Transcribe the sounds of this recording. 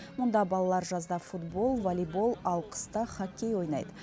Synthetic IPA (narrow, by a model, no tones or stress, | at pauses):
mʊnd̪ɑbɑlˠɑlˠɑɾʒɑzd̪ɑfut̪bo̞lˠvalibo̞lˠɑlˠqʰə̥st̪əχɑkʲe̞jwo̞jnɑ̰jd̪ə